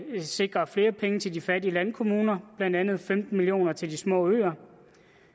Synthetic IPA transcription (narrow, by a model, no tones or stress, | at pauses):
se̝ɡ̥ʁɐfle̝ːɐpʰeŋət͡sʰe̝ldifæɐdiəlænkʰo̝muːnɐb̥lænd̥ænð̞̩ˠfemd̥n̩milijo̝̰ːnɐt͡sʰe̝ld̥ismɔ̰ːø̰ːɐ